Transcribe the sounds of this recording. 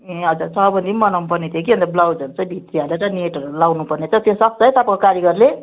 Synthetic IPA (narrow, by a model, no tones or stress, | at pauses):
eɦʌd͡zusʌbʌnd̪ʱimʌnʌmpʌrnet̪ʰjokiɦʌ̃nt̪ʌblawd͡zʌnt͡sʌ̃bʱit̪rialeɾʌneʈʌɾulawnupʌrnet͡sʰʌ̃t̪josʌpt͡sʌjt̪apãkokaɾjʌɡʌrle